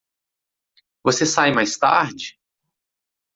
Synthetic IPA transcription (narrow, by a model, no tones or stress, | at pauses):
vosesajmajst̪a̰ɾd͡ʒɪ